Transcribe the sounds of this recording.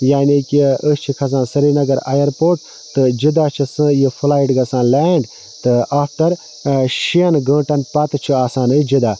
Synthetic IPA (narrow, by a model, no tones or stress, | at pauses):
jaːnikiəst͡ʃʰikʰɐs̬ãːsɐɾiːnɐɡɐɾa̰ːjɐɾpoːʈ̚ | t̪ɨd͡ʒid̪aːt͡ʃʰisɨjifʰulaːjiʈɡɐsãːleːɳɖ | t̪ɨʔaːpʰʈɐɾ | ʃiɐnɡə̃ːʈɐnpɐt̪t͡ʃʰuaːsaːnɨd͡ʒid̪aː